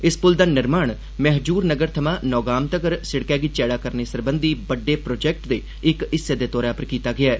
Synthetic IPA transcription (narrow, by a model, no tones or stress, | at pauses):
ɪspʊld̪aːnɪɾmaːɳ | mɛɦd͡ʒuːɾnəɡəɾt̪ʰəmãːnɔːɡaːmt̪əkəɾsɪɽkɛːɡiːt͡ʃɛːɽaːkəɾneːsəɾbənd̪iːbəɖːeːpɾoːd͡ʒɛːk̚ʈd̪eː | ɪkɪsːeːd̪eːt̪ɔːɾaːpəɾkiːt̪aːɡɪaː